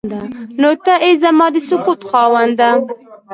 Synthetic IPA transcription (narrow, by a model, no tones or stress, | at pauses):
d̪anot̪aʔezamɑːd̪ɪsʊkut̪xɑːwand̪a